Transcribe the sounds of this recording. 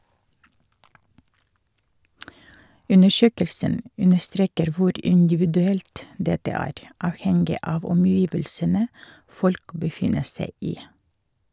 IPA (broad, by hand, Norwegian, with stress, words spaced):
ˈʉnəˌʃøːkəlsən ˈʉnəˌstɾeːkəɾ ˈʋʊɾ ɪndɪʋɪdʉˈɛlt ˈdɛtə ˈæːɾ ˈɑːʋhɛŋɡɪ ˈɑːʋ ɔmˈjiːʋəlsənə ˈfɔlk bəˈfɪnə ˈsæɪ ˈiː